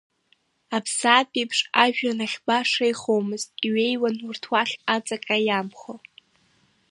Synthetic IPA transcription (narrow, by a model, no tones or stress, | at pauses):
apʰsaːpʼijpʰʂaʒᶣanaχʲbaʂejχowmɨztʼiɥe̞jwanurtʰwaχʲat͡sʼakʼajamχo